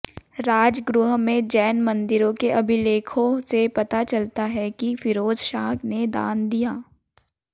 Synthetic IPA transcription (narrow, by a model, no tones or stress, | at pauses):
ɾaːd͡ʒɡɾʊɦmẽd͡ʒɛːnmɐ̃nd̪ɪɾõkeʔɐbʱɪleːkʰõsepɐt̪at͡ʃɐlt̪aɦɛkifʰɪɾoːd͡ʒʃaːkned̪a̰ːnd̪ijaː